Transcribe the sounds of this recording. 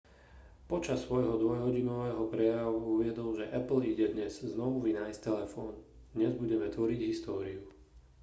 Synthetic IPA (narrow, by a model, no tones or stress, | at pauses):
pɔt͡ʃasːʋɔjɦɔd̪ʋɔjɦɔɟinɔʋɛːɦɔpɾɛjaʋuuʋɪɛd̪ɔlʒɛʔɛpl̩iɟɛd̪ɲɛzznɔʋuʋinaːjst̪ɛlɛfɔːn | d̪̥ɲɛzbuɟɛmɛt̪ʋɔɾiɟɦist̪ɔːɾiu